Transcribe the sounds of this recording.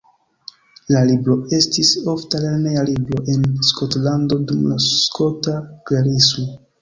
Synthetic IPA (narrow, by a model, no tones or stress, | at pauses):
lalibɾo̞e̞stiso̞ftaleɾne̞jalibɾo̞ʔe̞nsko̞tlando̞dumlaskʰo̞taɡeɾismo